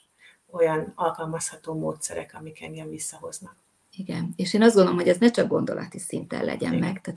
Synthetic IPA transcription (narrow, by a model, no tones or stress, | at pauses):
o̞jɒnɒlkɒlmɒshɒt̪oːmoːt̪sɛɾɛ̰kɒmikɛniɛɱvisːɒɦo̞znɒk̚ | iɡɛneːʃeːnɒzd̪ɡond̪olmɦhoɛznɛt͡ʃɒɡ̚ɡo̞nd̪o̞lɒt̪isint̪ɛ̰llɛ̰ɟɛmːɛɡt̪aː